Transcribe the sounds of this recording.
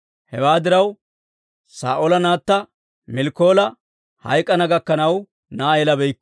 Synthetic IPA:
hɛwaːd̪ɪɾɐw | sa̰ːʔolɐnaːt̪ːɐ | mɪlkːo̞ːlɐ | hɐ̰jkʼːɐnɐɡɐkːɐnɐw | naːɛlɐbɛjkː

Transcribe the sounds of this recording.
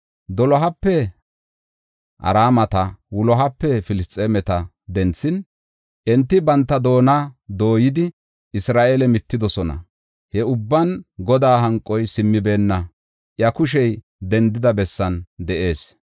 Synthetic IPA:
d̪ɔlɔɦɐpːɛ | ʔɐ̰ɾaːmɐt̪ɐwʊlɔɦɐpːɛfɪlɪst̪ʼːeːmɛt̪ɐ | d̪ɛnt͡sːɪn | ʔɛnt̪ːɪbɐnt̪ːɐd̪o̞ːnad̪o̞ːjɪd̪ɪ | ʔɪsɾaːʔelɛmɪt̪ːɪd̪ɔsɔnɐ̰ | hɛʊbːɐnɡɔd̪aːɦɐŋkʼːɔjsɪmːɪbe̞ːnːɐ | ʔjɐkʊʃ̬ɛj | d̪ɛnd̪ɪd̪ɐbɛsːɐnd̪ɛʔe̞ːs

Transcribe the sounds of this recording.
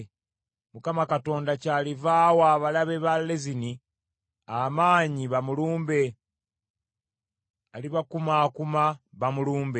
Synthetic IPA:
mukamakato̞ːndacaːlivaːwaːβalaβe̞βalːezini | amaːɲiβamuluːmbe̞ | aliβakumaːkumaβamuluːmbe

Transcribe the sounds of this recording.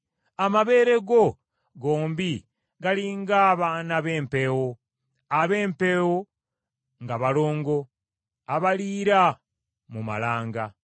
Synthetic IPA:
amaβe̞ːɾe̞ɡo̞ | ɡoːmbi | ɡaliŋɡaːβanaβe̞ːmpewo | aβeːmpe̞wo | ŋɡaβalo̞ːŋɡo̞ | aβaliːɾa | muma̰laːŋɡa

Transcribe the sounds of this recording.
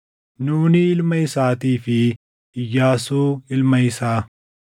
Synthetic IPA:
nuːniɪlmɐisaːt̪iːfi | jaːsuːɪlmɐisaː

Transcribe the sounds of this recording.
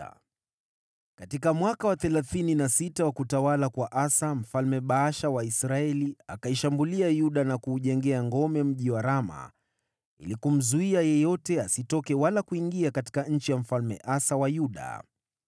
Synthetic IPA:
katikamwakawaθɛlaθininasitawakutawalakwaʔasam̩falmɛɓaaʃawaisɾaɛliakaiʃambuliajuɗanakuːʄɛŋɡɛaŋɡɔmɛm̩ʄiwaɾama̰ | ḭlikum̩zuiajɛjɔtɛasitɔkɛwalakuiŋɡiakati̥kaɲ̩t͡ʃijam̩falmɛ̰ʔasawajuɗa̰

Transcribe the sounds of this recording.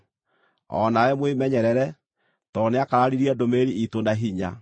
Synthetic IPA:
ɔ̰nawɛmwemɛɲɛɾɛɾɛ | tɔneakaɾaɾiɾiɛdomeɾiitondaɦiɲa̰

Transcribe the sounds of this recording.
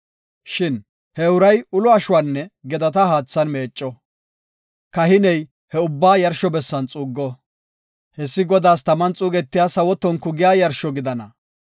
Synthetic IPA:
ʃɪn | hɛʊɾɐjʊlɔɐʃʊwaːnːɛɡɛd̪ɐt̪ɐhaːt͡sːɐnme̞ːt͡ʃʼːɔ | kɐɦɪnɛj | hɛʊbːaːjɐɾʃɔbɛsːɐnt͡sʼuːɡːɔ | hɛsːɪɡɔd̪aːst̪ɐmɐnt͡sʼuːɡɛt̪ːɪjaːsɐwɔt̪ːɔnkʊɡɪjaːjɐɾʃɔɡɪd̪ɐnɐ

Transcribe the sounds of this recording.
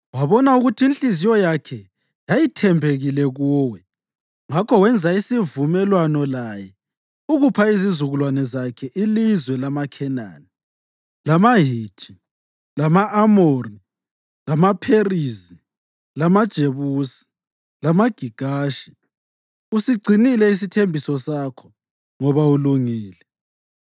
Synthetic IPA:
waβɔnauɣutʰiinɬizijɔjakʰɛ | jajitʰɛmbʱeɣilɛɣuːwɛ | ŋakʰɔwɛnd͡zʱaisivumɛlwanɔlajɛ | uɣupʰaizizuɣulwanɛzakʰɛʔilizwɛlamakʰɛna̰ːni | lamaɦiːtʰi̥ | lamaʔamori | lamapʰerizi | lamad̥ʒ̥ʱeβuːsi̥ | lamaɡ̥ʱiɡ̥ʱaːʃi̥ | usiɡ͡ǀʱinilɛis̬itʰembʱisɔsakʰɔ̥ | ŋɔβauluŋiːlɛ

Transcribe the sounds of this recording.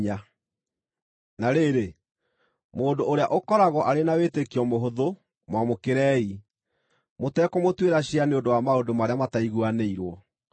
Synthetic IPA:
ɲa | naɾeːɾe | moːndoʔoɾeaʔokɔɾaɣɔʔaɾenawetekiɔmoɦoðo | mwamokeɾɛːi | motɛkɔmotweɾaɕianeondowamaodomaɾeamataiɣuaneiɾwɔ

